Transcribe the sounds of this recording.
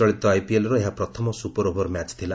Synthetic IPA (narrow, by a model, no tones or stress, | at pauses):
ɔɭit̪ɔajpielɔɾɔeɦapɾɔt̪ʰɔmɔsupɔɾobʱɔɾmat͡ʃt̪ʰila